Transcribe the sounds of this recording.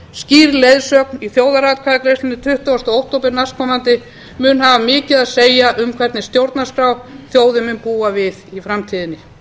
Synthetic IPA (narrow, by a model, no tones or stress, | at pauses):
sciːɾlejðsœk̚niθjoːwðaɾaːt̪̚kʰaðakɾejst̪ɪnːɪt̪ʰʏht̪ɔast̪ɔowht̪owpɪɾnaskʰɔːmant̪ɪ | mʏnhavamɪːcɪðaðseːjaʔʏmkʰvɛɾt̪nɪst̪jowɾt̪naskɾawθjoːwðɪmʏnpuːavɪðifɾamt̪ʰiːðɪnːɪ